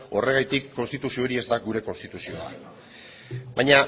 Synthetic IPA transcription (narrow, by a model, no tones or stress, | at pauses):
o̞re̞ɣajt̪ikʰːo̞nst̪it̪usio̞ɾie̞zd̪aɡuɾe̞ko̞nst̪it̪usio̞a̰ | bajɲa